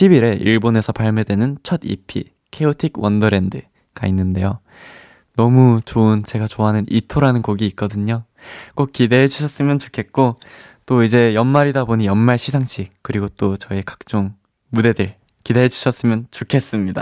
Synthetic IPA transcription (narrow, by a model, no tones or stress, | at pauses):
ɕʰibiɾe̞ʔḭɭbone̞sʰʌpaɭmedwe̞nɯnt͡ɕʰʌdḭpʰḭ | kʰe̞otʰikwʌndɯɾe̞ndɯ | ɡ̥a̰inːɯnde̞jo | nʌmut͡ɕoɯnt͡ɕe̞ɡat͡ɕoɦanɯnʔitʰoɾanɯnkoɡiːk̚k͈ʌdɯɲo | k͈ok̚k͈ide̞ɦed͡ʑuɕʰʌs͈ɯmjʌnt͡ɕo̥kʰe̞t̚k͈o | t͈oid͡ʑe̞jʌnmaɾidabonijʌnmaɭɕʰisʰaŋɕ͈ʰikɯɾiɡot͈ot͡ɕʌekḁk̚t͡ɕ͈oŋ | mude̞dɯɭ | kide̞ɦed͡ʑuɕʰʌs͈ɯmjʌnt͡ɕokʰe̞s͈ɯmɲida